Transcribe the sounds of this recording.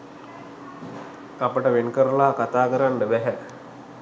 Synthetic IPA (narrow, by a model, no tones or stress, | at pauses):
apəʈəʋenkəɾəlaːkat̪aːkəɾanɖəbæɦæ